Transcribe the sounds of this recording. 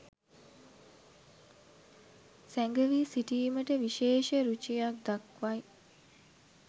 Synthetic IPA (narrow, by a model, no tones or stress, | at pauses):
sæŋɡəʋisiʈiːməʈəʋiʃeːʃəɾut͡ʃijak̚d̪akʋaj